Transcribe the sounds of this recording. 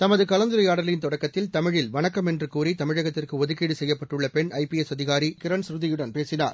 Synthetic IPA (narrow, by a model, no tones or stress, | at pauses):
t̪ɐmɐðɯkɐlɐnd̪ɯɾɐjaːɽɐlɪnt̪ɔɽɐkːɐt̪ːɪlt̪ɐmɪɻɪlʋɐɳɐkːɐmɛndrɯkuːɾit̪ɐmɪɻɐɣɐt̪ːɪrkɯɔðɯkiːɽɯsɛjːɐpːɐʈːɯɭːɐpɛɳɐɪpiɛsɐðɪɣaːɾikɪɾɐɳsɾɯðɪjʊɽɐnpeːsɪna̰ːɾ